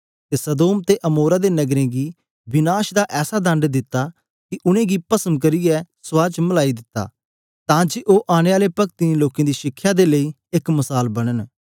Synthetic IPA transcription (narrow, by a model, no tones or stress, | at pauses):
t̪esɐd̪oːmt̪eʔɐmoːɾad̪enɐɡɾẽɡi | bɪnaːʃd̪aʔɛːsad̪ɐ̃ɳɖd̪ɪt̪ːa | kiʔʊñẽːɡipɐsəmk̬ɐɾijɛsʊaːt͡ʃməlaːid̪ɪt̪ːa̰ː | t̪ãːd͡ʒeʔoːʔaːɽ̃eaːlepɐk̚t̪inĩloːkẽːd̪iʃɪkʰːjad̪elei | ɪkmɐsaːlbɐɽ̃ən